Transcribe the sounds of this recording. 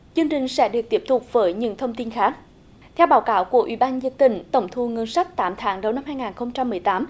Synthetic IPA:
t͡ɕɨ˧əŋt͡ɕï˨˩ŋ̟sɛ̰˧˥ɗɨ˨˩ək̚t̪i˦˥p̚t̪ʰʊ˨˩k͡p̚vəː˨˦jɲɨ̰˧˥ŋt̪ʰə˧wŋ͡mt̪i˧nxaː˦˥k̚ | t̪ʰɛ˧wɓaː˨˦wkaː˨˦wku˧˩əʔḭ˧˩ɓaː˧nzə˧˩k̚t̪ï˧˩ŋ̟t̪ə˧˩wŋ͡mt̪ʰu˧˩ŋə˧nsa˦˥k̚t̪aː˨˦mt̪ʰaː˨˦ŋɗə˨˧wna˧mɦaː˧jŋaː˨˩nxə˧wŋ͡mt͡ɕa˧mːɨ˨˩əjt̪aː˨˦m

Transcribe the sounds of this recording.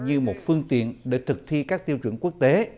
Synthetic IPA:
ɲɨ˧mo˨˩t̚fɨ˧əŋt̪ḭ˨˧˨ənɗe˨˩t̪ʰɨ˨˩k̚t̪ʰi˧kaː˦˥k̚t̪i˧əwt͡ɕwə̰˧˩nku˦˥ək̚t̪e˨˦

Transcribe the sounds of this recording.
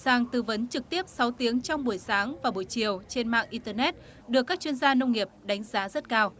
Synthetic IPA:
zaː˨˩ŋt̪ɨ˨˧˩və˨˦nt͡ɕɨ˨˩k̚t̪i˦˥əp̚sɔ˨˦wt̪i˨˦əŋt͡ɕɔ˧wŋ͡mɓu˧˩əjsaː˨˦ŋvaː˨˩ɓu˧˩əjt͡ɕi˨˩əwt͡ɕe˧nma̰ː˧˨ŋʔi˧t̪əː˧nɛ˦˥t̚ | ɗɨ˨˩əkːaː˦˥k̚t͡ɕwi˧ənzaː˧nə˧wŋ͡mŋi˨˩əp̚ɗa˨˦jŋ̟zaː˨˦zə˦˥t̚kaː˧w

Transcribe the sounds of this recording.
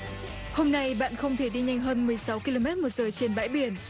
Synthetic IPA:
ho˧mna˧jɓa̰ː˧˨nxə˧wŋ͡mt̪ʰe˧˩ɗi˧ɲa̰˧jŋ̟ɦəː˧nmɨ˨˩əjsa˨˦wki˧lo˧mɛ˦˥t̚mo˨˩t̚zəː˨˩t͡ɕe˧nɓa̰ː˧˥jɓi˧˩ən

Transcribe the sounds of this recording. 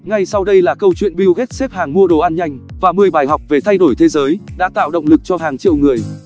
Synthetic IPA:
ŋa˧jsa˧wɗə˧jlaː˨˩kə˧wt͡ɕwḭ˧˨ənɓi˧wɣe˦˥t̚se˦˥p̚haː˨˩ŋmu˧əɗo˨˩ʔaː˧nɲa˧jŋ̟vaː˨˩mɨ˨˩əjɓaː˨˩jɦɔ˨˩wk͡p̚ve˨˩t̪ʰa˧jɗo˧˩jt̪ʰe˨˦zəː˨˦jɗa̰ː˧˥t̪a̰ː˧˨wɗə̰˧˨ŋ͡mlɨ˨˩k̚t͡ɕɔ˧ɦaː˨˩ŋt͡ɕḭ˧˨wŋɨ˨˩əj

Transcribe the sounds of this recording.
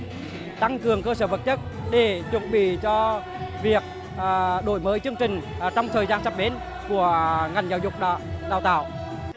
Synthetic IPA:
t̪a˧ŋkɨ˨˩əŋkəː˧səː˧˩və˨˩t̚ɲə˦˥t̚ | ɗe˧˩t͡ɕwə̰˨˧˩nɓḭ˧˨t͡ɕɔ˧ | vi˨˩ək̚ː | ɗo˧˩jməː˨˦jt͡ɕɨ˧əŋt͡ɕï˨˩ŋ̟˨˩t͡ɕɔ˧wŋ͡mt̪ʰəː˨˩jzaː˧nsaː˦˥p̚ɓe˨˦n | ku˧˩əŋa˨˩jŋzaː˧˩wzʊ˨˩k͡p̚ɗaː˧˨wt̪a̰ː˧˨w

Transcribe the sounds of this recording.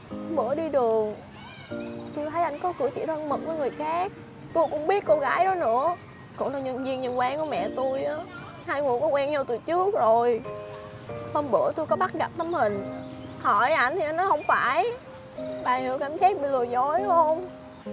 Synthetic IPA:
ɓɨ˧˩˥əɗi˧ɗɨ˨˩əŋ | t̪u˧jt̪ʰə˨˦jʔa˧˩jŋ̟kɔ˨˦kɨ̰˨˧˩ət͡ɕḭ˧˨t̪ʰə˧nmɨ˨˩k̚vəː˨˦jŋɨ˨˩əjxaː˦˥k̚ | t̪u˧jkʊ̰˧˥ŋ͡mɓi˦˥ət̚ko˧ɣaː˨˦jɗɔ˨˦nɨ̰˧˥ə | kʊ̰˧˩˥na˨˧˩ɲɨ˧˩nzi˧ənɲɨ˧˩nkwaː˨˦ŋku˧˩əmɛ̰˧˨t̪u˧jʔaː˨˦ | haː˧jŋu˨˩əŋkɔ˨˦kwɛː˧ŋɲa˧wt̪ɨ̰˧˩t͡ɕɨ˦˥ək̚zo˨˩j | h̪əː˧nɓɨ˧˩ət̪u˧jkɔ˨˦ɓa˦˥t̚ɣa˨˩p̚t̪ə˨˦mhï˨˩ŋ̟hɔ˧˩jʔa˧˩j̟t̪ʰi˨˩ʔa˧˦jnːɔ˨˦hə˧wŋ͡mfaː˧˩j | ɓaː˨˩jhɨ̰˨˧˦əkaː˧˩msaː˦˥k̚ɓḭ˧˨lɨ˨˩əzo˧˨˥jhə˧wŋ͡m

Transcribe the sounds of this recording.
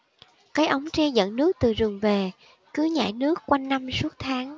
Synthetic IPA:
kaː˨˦jʔə˨˦wŋ͡mt͡ɕɛ˧zə̰˧˨nnɨ˦˥ək̚t̪ɨ˨˩zɨ˨˩əŋve˨˩ | kɨ˨˦ɲa̰ː˧˩jnɨ˦˥əkːwa˧jŋːa˧msu˦˥ət̚t̪ʰaː˨˦ŋ

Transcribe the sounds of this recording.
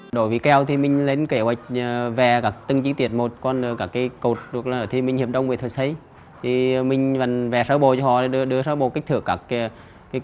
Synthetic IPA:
ɗo˧˩jviː˨˦kɛ˧wt̪ʰi˨˩mï˨˩ŋ̟le˨˧˦nke˧˩hwa˨˩jk̟̚ːvɛ˨˩kaː˦˥˩k̚t̪ɨ˧ŋt͡ɕi˧˦t̪i˧˩ət̚mo˨˩t̚kɔ˧nɗkaː˧˩kːaː˨˦jko˨˩t̚ɗɨ˨˩ək̚laː˨əː˧˨˩t̪ʰi˧˩mï˨˩ŋhi˨˩əp̚ɗə˧wŋ͡mve˨˩t̪ʰːj̚sʰə˧˦j | t̪ʰi˨˩mï˧˩ŋ̟va˨˩nvɛ˨˩səː˧˦wɓo˧˨t͡ɕɔ˧hɔ̰˧˨a˨˩ɗɨ˧əɗɨ˧əsəː˧˦ɓo˧˨˩ka˦˥k̟̚t̪ʰɨ˧˩əkːaː˧˩kː

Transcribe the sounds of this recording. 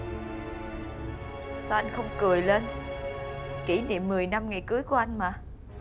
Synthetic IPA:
sa˧wʔa˧jŋ̟xə˧wŋ͡mkɨ˨˩əjle˧n | ki˧˩nḭ˧˨mːɨ˨˩əjna˧mŋa˨˩jkɨ˨˦əjku˧˩əʔa˧jŋ̟maː˨˩

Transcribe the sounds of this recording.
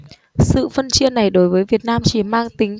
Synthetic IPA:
sɨ̰˧˨fə˧nt͡ɕi˧ənːa˨˩jɗo˨˦jvəː˨˦jvi˨˩ət̚naː˧mt͡ɕi˧˩maː˧ŋt̪ï˨˦ŋ̟

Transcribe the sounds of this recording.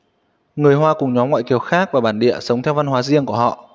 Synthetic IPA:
ŋɨ˨˩əjɦwaː˧kʊ˨˩ŋ͡mɲɔ˨˦mŋwa̰ː˧˨jki˨˩əwxaː˦˥k̚vaː˨˩ɓaː˧˩nɗḭ˧˨əsə˨˦wŋ͡mt̪ʰɛ˧wva˧nɦwaː˨˦zi˧əŋku˧˩əhɔ̰˧˨ʔ

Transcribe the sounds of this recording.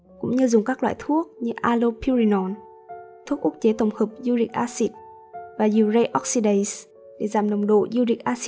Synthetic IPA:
kʊ̰˧˥ŋ͡mɲɨ˧zʊ˨˩ŋ͡mkaː˦˥k̚lwa̰ː˧˨jt̪ʰu˦˥ək̚ɲɨ˧ʔaː˧lo˧pʰi˧ɹi˧nɔ˨˩n | t̪ʰu˦˥k̚ʔʊ˦˥k̚t͡ɕe˨˦t̪ə˨˩wŋ͡mhəː˨˩p̚zu˧ɗḭ˨˩k̟̚ʔaː˧si˦˥t̚ | vaː˨˩zi˨˩əwzə˧jʔɔ˦˥k̚si˧ɗa˨˧˨js | ɗe˧˩zaː˨˩mnə˨˩wŋ͡mɗo̰˧˨zu˧ɗḭ̈˨˩k̟̚ʔaː˧si˦˥

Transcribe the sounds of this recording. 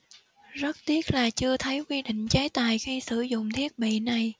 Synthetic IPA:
zə˦˥t̚t̪i˦˥ət̚laː˨˩t͡ɕɨ˧ət̪ʰə˨˦jkwi˧ɗḭ̈˧˨ŋ̟t͡ɕa˨˦jt̪aː˨˩jxi˧sɨ˧˩zʊ̰˧˨ŋ͡mt̪ʰi˦˥ək̚ɓḭ˧˨na˨˩j

